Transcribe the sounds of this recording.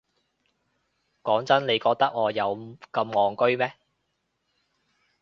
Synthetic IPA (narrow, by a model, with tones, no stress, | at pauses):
kɔː˨˥ŋt͡sɐ˥nle˨˧jkɔː˧k̚t̪ɐ˥k̚ŋɔː˨˧jɐ˨˧wkɐ˧mŋɔː˨˩ŋkɵ˥ɥmɛː˥